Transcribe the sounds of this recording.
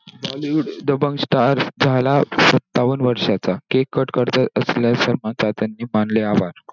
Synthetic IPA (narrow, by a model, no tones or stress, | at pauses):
baluɽd̪əbəŋɡsʈaɾd͡zʱalasət̪ːaʋənʋəɾʂat͡sakekːəʈkəɾt̪əəsljasəɾmãt͡ɕat̪ənːiːmanleaʋaɾ